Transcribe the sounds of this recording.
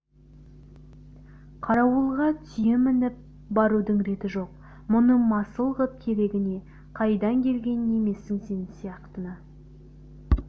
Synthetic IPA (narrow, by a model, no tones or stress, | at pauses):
qʰɑɾɑwəlˠʁɑt̪ʰʏjɪmɪnɪp̚ | bɑɾud̪əɴɾe̞t̪ɪʒo̞q̚ | mʊnəmɑsəlˠʁəp̚kʲʰe̞ɾe̞ɡʲɪne̞ | qʰɑjd̪ɑŋkʲʰe̞lɡʲe̞nne̞me̞sːɪŋse̞nsijɑqt̪ənə